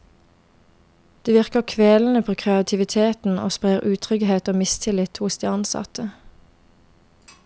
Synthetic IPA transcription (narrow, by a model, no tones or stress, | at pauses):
d̪̥eːʋɪʁkəʁkʰʋeːln̩əpʰoːkʰʁɛɑt̪ʰɪʋɪt̪ʰeːt̪n̩o̰ːspʁeːʁʉːt̪ʰʁʏɡheːt̪oːmɪst̪ʰɪlɪt̪hʊsd̪iːɑnsɑ̰t̪ə